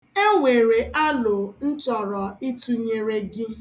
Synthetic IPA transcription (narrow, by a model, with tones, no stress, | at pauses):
e˦ŋʷe˨ɾe˨ʔa˦lʊ˨n̩˦t͡ʃɔ˨ɾɔ˨i˦tu˦ɲe˨ɾe˦ɡɪ˦